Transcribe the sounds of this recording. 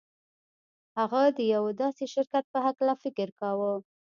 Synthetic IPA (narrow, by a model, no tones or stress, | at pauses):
haɣad̪əjawd̪ɑseʃɪɾkat̪̚pəɦaklafɪkɪɾkɑwə